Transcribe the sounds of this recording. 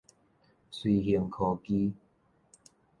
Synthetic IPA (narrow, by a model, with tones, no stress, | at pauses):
swi˨hi˨˧əŋkʰɔ˨˩ki˦